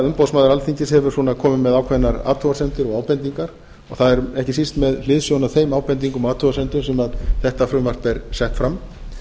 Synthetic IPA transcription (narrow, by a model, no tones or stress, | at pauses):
ʏmpowsmaːðɾalθiɲcɪshɛvʏɾ̥suːnakʰɔːmɪmɛðaːwkʰvɛnːaɾa̰ːt̪ʰɔvasɛnt̪ʏɾɔɣaːwpɛnt̪iŋkaɾ̥ | ɔɣθaðɛɾɛhcɪsist̪mɛðlɪːðsjownaθejmaːwpɛnt̪̬iŋkʏmɔaːt̪ʰɔvasɛnt̪ʏmsɛmaðθɛht̪afɾʏmvar̥t̪ɛɾsɛht̪fɾam